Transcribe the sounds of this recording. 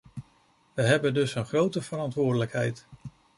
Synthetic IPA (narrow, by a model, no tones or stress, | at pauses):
ʋəɦɛbəndɵsənχrowtəvəɾɑntʋʊːɹdələkɦɛjt